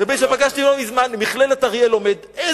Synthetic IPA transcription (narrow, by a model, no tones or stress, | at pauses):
abeʃepaɡaʃtilomizmanmiχlelat̪aʁjelomed̪e